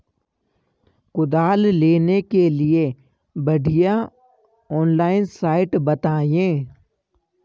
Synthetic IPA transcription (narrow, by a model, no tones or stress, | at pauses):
kʊd̪aːlleːnekelie | bɐɖʱɪja | ɔːnlaːɪnsaːɪʈbɐt̪aːjẽː